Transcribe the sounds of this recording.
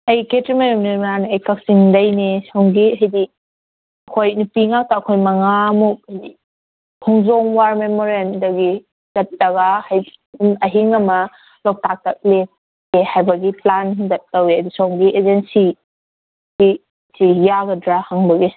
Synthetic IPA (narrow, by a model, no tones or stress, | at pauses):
ɐjketɾimajumnianiɐjkak̚siŋdɐjnisawŋɡiɦɐjdi | ɐkʰojnupiŋak̚taːkʰojmɐŋamuk̚ɐjdi | kʰɔŋzɔŋwaɾmemoɾendɐɡi | z̥ɐt̚lɐɡahaj | nɐɦiŋɐmɐ | lɔk̚tak̚tak̚let̚ | ehajbɐɡiplanhiŋdɐt̚ːawiɐdusawŋɡiʔezensi | si | sijaɡɐdɾahaŋbɐɡi